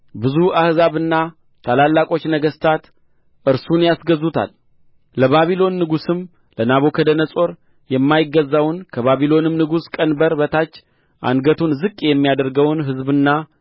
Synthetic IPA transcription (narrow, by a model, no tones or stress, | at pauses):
bɨzuahzaβɨnːa | t̪ʰalalːakʼo̞t͡ʃːnəɡəst̪ʰat̪ | ʔɨɾsunjasɡəzut̪ʰa̰l | ləβaβilo̞nːɨɡusɨm | lənaβo̞kʰəd̪ənəsʼo̞ɾ | jɛmːajɪɡːəzːawnkʰəβaβilo̞nɨmnɨɡuskʼənbəɾbət̪ʰat͡ʃː | ʔa̰nɡət̪ʰunzɨkʼːjɛmːijad̪əɾɡəwnɦɨzbɨnːa